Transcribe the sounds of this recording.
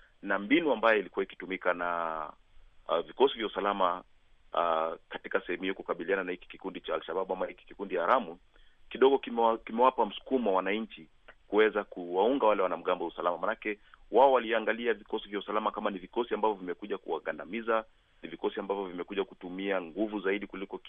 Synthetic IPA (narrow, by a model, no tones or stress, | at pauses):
nambinuambajɔilikuwaiki̥tumikana | vikɔsivjausalama | katikasɛhɛmuhiɔkukaɓiliananahiki̥kikundit͡ʃaːlʃaɓaɓamahiki̥kikundijaːɾamu | kiɗɔɠɔkkimɛwapam̩su̥kumuwawanaɲt͡ʃi | kuwɛzakuwauŋɡawalɛwanam̩ɠambɔusalamamanakɛwaɔwaliaŋɡaliavikɔsivjausalamakamanivikɔsiambavjɔvimɛkuʄakuwaɠandamiza | nivikɔsiambavjɔvimɛkuʄakutumiaŋɡuvuzaiɗikulikɔ